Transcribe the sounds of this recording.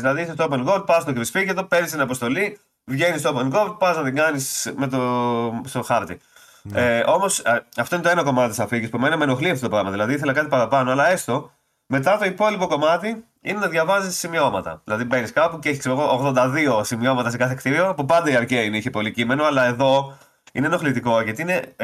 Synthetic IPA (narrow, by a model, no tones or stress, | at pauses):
ilɐðiisest̪oop̬e̞nɡo̞d̪̚pɐst̪okɾisfiʝet̪̬o̞pe̞ɾnist̪inɐpost̪o̞li | vʝe̞nist̪oope̞nɡo̞ɾd̪̚pɐznɐt̪iɡɐnisme̞t̪ost̪o̞xɐɾt̪i | eo̞mo̞sɐft̪oinet̪oe̞nɐko̞mɐt̪it̪isɐfiʝispumenɐme̞no̞xliɐft̪ot̪opɾɐɣmɐðilɐðiiθe̞lɐkɐt̪̬ipɐɾɐpɐnoɐlɐe̞st̪o̞ | me̞t̪ɐt̪o̞ipo̞lipo̞ko̞mɐt̪i | ine̞nɐðʝɐvɐzissimio̞mɐt̪ɐ̰ðilɐðibe̞niskɐpuceeçi̥kseɾoɣoːɣðond̪ɐðio̞simio̞mɐt̪ɐse̞kɐθekt̪iɾiopupɐnd̪ɐiɐɾceineiçepo̞licime̞no̞ɐlɐe̞ðo̞ | ḭneno̞xlit̪iko̞ʝɐt̪iine̞